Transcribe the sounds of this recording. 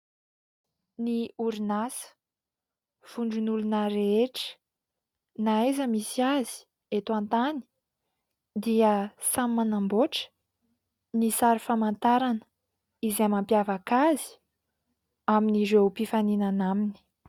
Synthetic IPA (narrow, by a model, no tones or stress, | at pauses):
niuɾinasə̥ | v̥uɳɖ͡ʐunulunaɾeeʈ͡ʂə̥ | naajzəmisiazi̥ | et̪ant̪ani̥ | d̪iəsammanamboʈ͡ʂə̥ | nisaɾifamant̪aɾanə̥ | izamampjavakazi̥ | aminizewpifaninanamini̥